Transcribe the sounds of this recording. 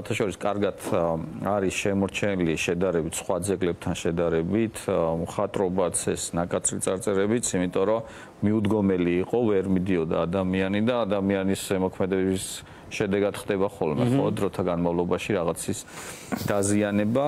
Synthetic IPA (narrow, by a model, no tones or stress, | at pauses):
wat̪ʰaʃɔɾiskʼaɾɡat̪ʰaɾisʃɛmɔɾt͡ʃʰɛliʃɛd̪aɾɛbit̪ʰsχwad̪zɛɡlɛb̚t̪ʰanʃɛd̪aɾɛbit̪ʰmχat̪ʼɾɔbat̪sʰɛsnakʼat̪sʰɾit̪sʼaɾt̪sʼɛɾɛbit̪sʰimit̪ʼɔɾɔ | miud̪ɡɔmɛliːqʼɔvɛɾmid̪iɔd̪aːd̪amianid̪aːd̪amianisʒɛmɔkʰmɛd̪ɛbis | ʃɛd̪ɛɡad̪χd̪ɛbaχɔlmɛ̰χɔd̪ɾɔt̪ʰaɡanmavlˠɔbaʃiɾaʁat̪sʰis | d̪̥azianɛba